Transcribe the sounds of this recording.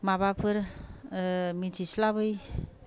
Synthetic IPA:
mabapʰɯɾ | misislabɯj

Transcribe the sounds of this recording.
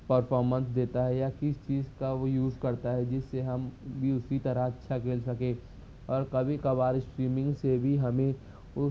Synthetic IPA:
pɐɾfʰɔːɾmə̃nsd̪eːt̪aɦɛjakɪst͡ʃiːzkaojuːzkɐɾt̪aɦɛd͡ʒɪsːeɦɐmbʱiʊsit̪ɐɾəɦɐtːʃʰakeːlsɐkẽː | ɔːɾkɐbʱikɐbaːɾɪsʈɾiːmɪ̃ŋɡsebʱiɦɐmẽ | ʊ

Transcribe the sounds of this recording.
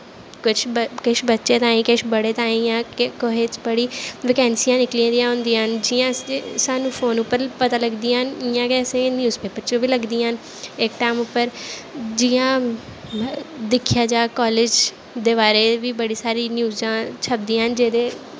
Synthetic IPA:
kʊt͡ʃʰkɪt͡ʃʰbətːʃeːt̪ãːĩːkɪʃʰbəɽeːt̪ãːĩːjãːkkoɦeːt͡ʃbəɽiːʋɪkɛːnsijãːnɪkliãːd̪iãːɦʊ̃nd̪iːnd͡ʒɪjãːssaːnũːpʰoːnʊpːəɾpət̪aːləɡd̪iːnɪjãːkɛːsẽːnjuːzpeːpəɾt͡ʃõːbiːləɡd̪iːən | ɪkʈaːmʊpːəɾd͡ʒijãː | d̪ɪkʰːjaːd͡ʒaːkɔːleːd͡ʒ | d̪eːβaːɾeːʋiːbəɽiːsaːɾiːnjuːzãːt͡ʃʰəb̚d̪iːɦənd͡ʒeːd̪eː

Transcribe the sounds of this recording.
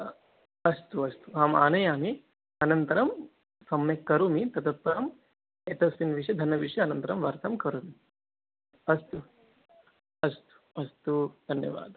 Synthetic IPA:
ɐst̪uɐst̪uɦaːma̰ːnɐjaːmi | ɐnɐnt̪ɐɾɐm | sɐmːɐkɐɾumit̪ɐt̪ɐt̪̚pɐɾɐm | et̪ɐsinʋiʂɐd̪ʱɐnːɐʋiʂɐɐnɐnt̪ɐɾɐmʋɐɾt̪ʰɐmkɐɾumi | ɐst̪u | ɐst̪u̥ɐst̪ud̪ʱɐnjɐ̰ʋa̰ːd̪ɐ

